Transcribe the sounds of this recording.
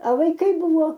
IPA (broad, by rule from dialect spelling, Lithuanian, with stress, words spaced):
ɐ ʋɐɪˈkɐɪ ˈbuːʋoː